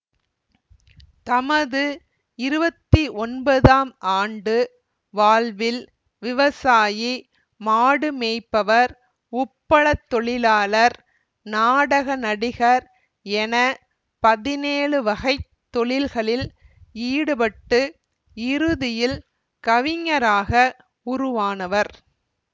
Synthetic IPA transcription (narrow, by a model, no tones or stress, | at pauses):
t̪ɐmɐðɯ | ɪɾɯbɐt̪ːiʔɔnbɐðaːmʔaːɳɖɯ | ʋaːɭʋɪl | ʋɪʋɐsaːji | maːɽɯmeːɪpːɐʋɐɾ | ʊpːɐɭɐt̪ːɔɭɪlaːlɐɾ | naːɽɐɣɐnɐɽɪɣɐɾ | ɛnɐ | pɐðɪneːɭɯʋɐɣɐɪt̪ːɔɭɪlɣɐɭɪl | iːɽɯpɐʈːɯ | ɪɾɯðɪjɪl | kɐʋɪŋːɐɾaːɣɐ | ʊɾʊʋaːnɐʋɐɾ